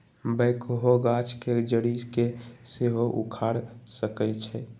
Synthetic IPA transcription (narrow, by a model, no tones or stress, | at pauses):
bəɪkoɦoɡat͡ʃʰked͡ʒəɽiskeseɦoʔṵkʰaɽsəkɛt͡ʃʰɛ